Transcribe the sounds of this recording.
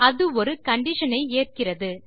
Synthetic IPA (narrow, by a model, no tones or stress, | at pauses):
ɐðɯɔɾɯkɐɳɖɪʂɐnɐɪeːr̚kɪrɐðɯ